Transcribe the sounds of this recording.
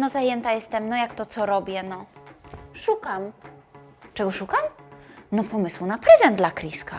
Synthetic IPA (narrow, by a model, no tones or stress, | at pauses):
nɔzajɛnt̪ajɛst̪ɛmnɔjakt̪ɔt̪sɔɾɔbʲjɛnɔ | ʂukam | t͡ʂɛɡɔʂukamnɔpʰɔmɘswunapɾɛzɛnd̪lakɾʲiska